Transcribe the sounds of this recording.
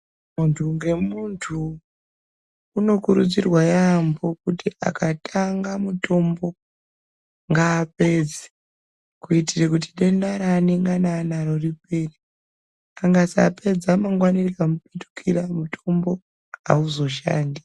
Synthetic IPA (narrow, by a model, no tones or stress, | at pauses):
muntʰuŋɡe̞muntʰu | no̞kuɾud͡zirwajambo̞kutiʔa̰kʰatʰaŋɡamuto̞mbo̞ | ŋɡaːpe̞ːd͡ze̥ | kuitirek̬utiɗenaɾaːneŋɡanaːnaɾo̞ripe̞ːre | aŋɡasa̰pe̞d͡zamaŋɡwanirikamupetu̥kʰiɾamutʰo̞mbo̞ | ɦa̰uzo̞ʃa̰ːndi